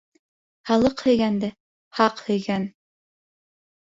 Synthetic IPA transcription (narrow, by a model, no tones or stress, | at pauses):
hɑlˠɤqhɵ̆jɡænd̪ɘ | hɑqhɵ̆jɡæn